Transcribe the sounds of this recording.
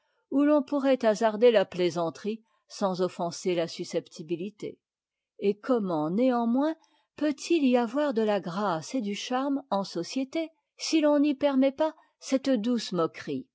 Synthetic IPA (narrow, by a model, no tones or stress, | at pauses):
ulɔ̃puʁɛt̪azaʁd̪elaplezɑ̃t̪χi | sɑ̃zɔfɑ̃selasysɛpt̪ʰibilit̪ḛ | ekɔmɑ̃neɑ̃mwɛ̃ | pøt̪ʰiliavwaʁd̪əlaɡʁased̪yʃaʁmɑ̃sɔsjet̪e | silɔ̃nipɛʁmɛpa | sɛt̪d̪usmɔkχḭ